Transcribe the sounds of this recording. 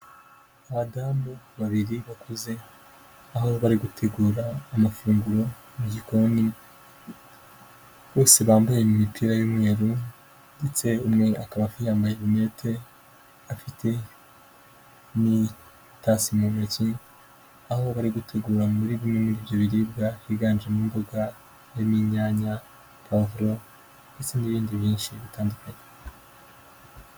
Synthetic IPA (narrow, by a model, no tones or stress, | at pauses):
aβadaːmbo | βaβiɾiβakʰoze̞ | aɦoβaɾiɡutʰe̞ɡuːɾaːmafuːŋɡuɾo̞ | muɟikoni | βo̞ːse̞βaːmbajemumipʰiɾajomŋeːɾu | nde̞t͡se̞umŋe̞ʔakaβafijaːmbajeβime̞ːtʰe̞ | afitʰe̞ | ni | tasimomaci | aho̞βaɾiɡutʰe̞ɡuːɾamβuɾiβimŋemuɾiːvjo̞βiɾib̚ɡahiɡaːnd͡ʒemuːmboɡa | jemiɲaːɲa | kavuɾo̞ | ndet͡se̞niβiːndiβjiːnʃiβitaːndukaɲe